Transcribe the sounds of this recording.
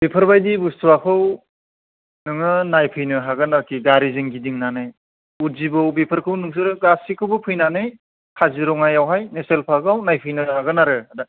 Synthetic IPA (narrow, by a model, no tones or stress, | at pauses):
bepʰɯɾbajdibustuakʰɯw | nɯŋɯnajpʰɯjnɯɦaɡɯnakiɡaɾizɯŋɡidiŋnanɯj | uzibɯwbipʰɯɾkʰɯwnɯŋs̬ɯɾɯɡasikʰɯwbɯpʰɯjnanɯj | kʰaziɾɔŋajawɦajneselpʰaɡawnajpʰɯjnɯhaɡɯnaɾɯada